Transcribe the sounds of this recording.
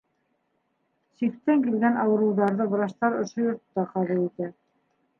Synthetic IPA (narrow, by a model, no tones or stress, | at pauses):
sikt̪ːæŋkilɡænʔɑwɤ̆ɾɤ̆wðɑɾðɤbɤ̆ɾɑʃt̪ɑɾŏʃojŏɾt̪ːɑqɑβulˠit̪æ